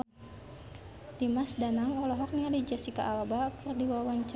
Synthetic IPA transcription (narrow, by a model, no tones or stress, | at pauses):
dimasdanaŋɔlɔɦɔk̚nialid͡ʒasika̰ʔːlabakurdiwawaɲt͡ʃ